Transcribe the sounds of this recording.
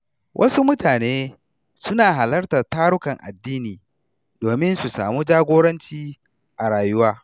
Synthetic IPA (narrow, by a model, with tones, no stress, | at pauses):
wʔɐ˦su˦mʊ˦taː˨neː˦ | sʊ˦naː˨ɦa˨lɐ˦rtɐ˨taː˦ɽʊ˦kɐ˨ŋʔa̰˨dːiː˦niː˨ | d̥oː˨mɪ˦nsu˨sa̰ː˨muː˦d͡ʒaː˦ɡʷoː˦ɽɐ˦nt͡ʃiː˦ | ʔa˨ɽaː˨jʊ˦waː˦